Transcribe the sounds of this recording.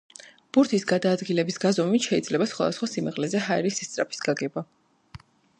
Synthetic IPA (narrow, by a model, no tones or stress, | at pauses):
b̥uɾt̪ʰisɡad̪aːd̪ɡilɛbisɡazɔmit̪ʃɛid̪zlɛbasχwa̰d̪asχwasimɛʁlɛzɛɦaɛɾisɛst̪sʼɾapʰi̥sɡ̥aɡɛba